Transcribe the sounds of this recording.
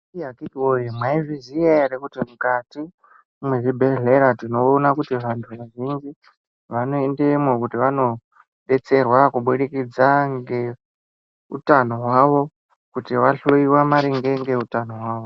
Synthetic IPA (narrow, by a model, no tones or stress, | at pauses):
iakikiojimwaivizijeeɾekutimukatiː | mwe̞ʐibʱe̞ɮe̞ɾatino̞ːnakutiʋantʰuʋaʐind͡ʒi | ʋano̞endemokutiʋano̞ | ɗe̞t͡se̞rwakuɓuɗekid͡zaŋɡe̞ | ṵtano̞ɦwaʋo̞ | kutiʋaɬoiwamaɾiŋɡe̞ŋɡe̞utanowaːʋo